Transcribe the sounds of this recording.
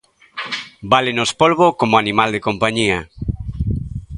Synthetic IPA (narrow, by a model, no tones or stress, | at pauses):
balɪnospolβokomʊanimald̪ɪkompaɲiɐ